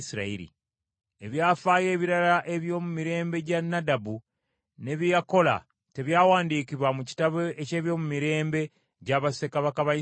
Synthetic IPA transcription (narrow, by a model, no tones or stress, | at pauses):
siɾaḭɾḭ | e̞βjaːfaːje̞ːβiɾalaʔe̞βjo̞ːmumiɾe̞ːmbe̞ɟanːadabu | ne̞βijako̞la̰ | te̞βjaːwaːndiːkiβwamuci̥taβoʔece̞ːβjo̞ːmumiɾe̞ːmbe̞ | ɟaβasekaβakaβa